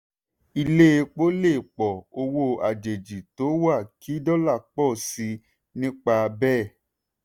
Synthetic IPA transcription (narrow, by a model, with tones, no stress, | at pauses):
i˧le˦˧k͡po˦le˦˨k͡pɔ˨o˧wo˧a˨d͡ʒe˨d͡ʒi˨to˨˦wa˦˨ki˨˦dɔ˦la˦˨k͡pɔ˦˨si˧˦ | nĩ˦k͡pa˧bɛː˦˨